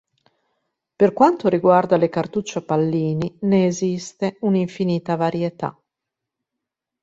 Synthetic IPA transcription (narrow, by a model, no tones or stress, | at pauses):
perkwant̪oɾiɡward̪alekart̪ut͡ʃːapalːiːnineːzist̪euniɱfiniːt̪avaɾjet̪a̰